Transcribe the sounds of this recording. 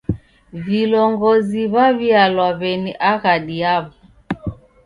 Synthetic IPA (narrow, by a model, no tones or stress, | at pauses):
vilɔŋɡɔziβaβialwaβɛniʔaɣaɗiaβɔ